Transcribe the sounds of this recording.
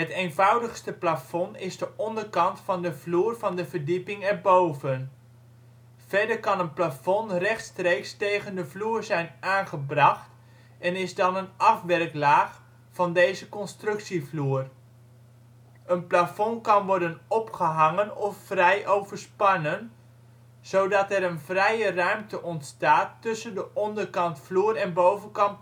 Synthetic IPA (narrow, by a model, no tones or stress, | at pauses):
ətejnvɑwdəχstəplafɔnɪzdəʔɔndərkɑntfɑndəvluːrvɑndəvərdipɪŋɛɹbowvən | v̥ɛɹdəɹkɑnənplafɔnrɛχtstrejkstejɣəndəvluːrzɛjnaːnχəbrɑχt | ɛnɪzdɑnənɑfʋɛrklaːχ | vɑndejzəkɔnstrɵksivluːr | ʔənplafɔnkɑnʋɔɹdənɔpχəɦɑŋənɔfːrɛjʔowvərspɑnən | z̥owdɑtɛɾənvrɛjərœɥmtəʔɔntstaːtːɵsəndəʔɔndərkɑntfluːɾɛnbowvənkɑmp